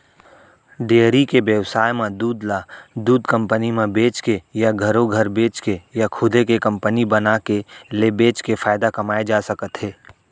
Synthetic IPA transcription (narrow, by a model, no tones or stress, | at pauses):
ɖeːɾikebjəʋsaːjmẽd̪uːd̪lad̪uːd̪kə̃mpənimẽbeːt͡ʃkejaɡʱəɾõɡʱəɾbeːt͡ʃkejakʰʊd̪ʱekekə̃mpənibənakelebeːt͡ʃkefaːɪd̪akɐmaːed͡ʒaːsəkət̪ɦeː